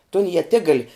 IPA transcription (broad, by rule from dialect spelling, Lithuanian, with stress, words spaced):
toːn iɛˈtʲɪɡɐlˠ